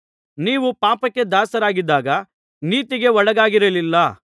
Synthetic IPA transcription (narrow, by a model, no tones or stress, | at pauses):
niːʋupaːpɐkːe̞d̪aːsɐɾaːɡid̪ːaːɡɐ | niːt̪iɡe̞ɔɽɐɡaːɡiɾɐlilːɐ